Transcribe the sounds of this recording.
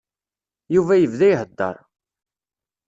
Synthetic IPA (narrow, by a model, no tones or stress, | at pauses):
juvæjəvðæjɦəd̪ːə̰ɾˤ